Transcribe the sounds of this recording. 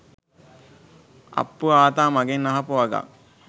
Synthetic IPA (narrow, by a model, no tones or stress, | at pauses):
a̰pːuaːt̪aːmaɡenːaɦapuʋaɡa̰